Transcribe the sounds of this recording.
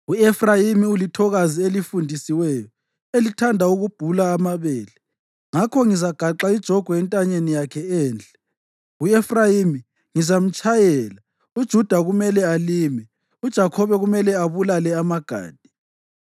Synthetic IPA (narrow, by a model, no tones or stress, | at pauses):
uɛfrajimiulitʰɔɣazielifundʱisiwɛjɔ | elitʰandʱauɣub̥ʱulaːmaβɛːlɛ | ŋakʰɔŋizaɡ̥ʱaǃaid̥ʒ̥ʱɔɡ̥ʱɔɛntʼaɲenijakʰɛɛːnd͡ɮʱʼɛ̥ | uɛfrajimi | ŋizam̩t͡ʃʼajɛːla | ud̥ʒ̥ʱud̥ʱaɣumɛlɛalimɛ | ud̥ʒ̥ʱakʰɔβɛɣumɛlɛaβulalɛamaɡ̥ʱa̰ːd̥ʱi̥